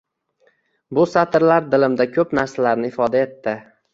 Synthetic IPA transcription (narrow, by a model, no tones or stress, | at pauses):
bʊsat̪ʰɾlaɾd̪ɪlɪmd̪akʲʰɵpnaɾsalaɾnɪɪfɒd̪ae̞t̪ːɪ